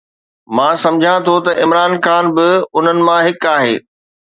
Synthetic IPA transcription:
mãːsɐ̃md͡ʑʱãt̪ʰot̪ɐʔɪmɾaːnxaːnbɪʊn̤ənɪ̆mãɦɪkaːɦeː

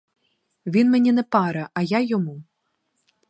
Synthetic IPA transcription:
vʲinmʲanʲɛnɛpaɾɐʔɐjajɔmu

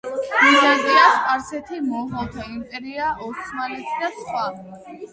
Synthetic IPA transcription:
mizad̪iasʼaɾsɛt̪ʰimɔɦat̪ʰaimpʼɛɾiaʔɔt̪sʰmalɛt̪ʰid̪asχwa

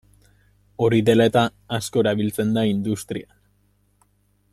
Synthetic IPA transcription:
o̞ɾiðe̞laet̪aː | sko̞eɾaβilt͡se̞nd̪aind̪ust̪ɾia

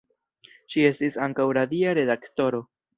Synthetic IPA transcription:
ʃie̞stisaŋkawɾadiaɾe̞d̪akto̞ɾo̞

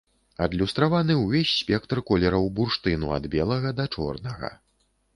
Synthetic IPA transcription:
ɐd̪lʲust̪ɾavanɨwvʲesʲsʲpʲɛk̚t̪rkɔlʲɛɾɐwburʂt̪ɨnuɐ̰d̪bʲɛlˠɐɣɐd̪ɐt͡ʂɔ̰rnɐɣɐ̰

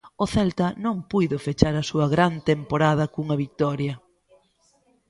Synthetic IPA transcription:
ʊθɛlt̪ɐnõŋpujðʊfet͡ʃaɾɐsuɐɣɾant̪empoɾaðɐkuŋɐβik̚t̪ɔɾjɐ

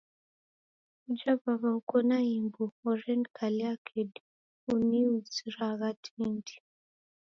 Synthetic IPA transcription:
ud͡ʒavaβaukɔnaimbuɔɾɛndkaliakʰed | uniuziɾaɣatʰindi̥

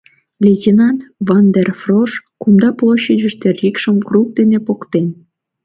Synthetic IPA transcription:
lʲetʲinɑnt̪vɑnd̪erfroʃkumd̪ɑplˠoɕːəd͡ʑəʃt̪erʲikʃəmkruk̚d̪enepokt̪en

